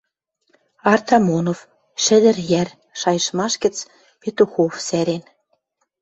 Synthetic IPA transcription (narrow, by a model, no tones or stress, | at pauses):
ɑrt̪ɑmonov | ʃɘ̆d̪ə̆ɾjær | ʃɑjə̆ʃmɑʃɡə̆t͡s | pet̪uxofsæɾen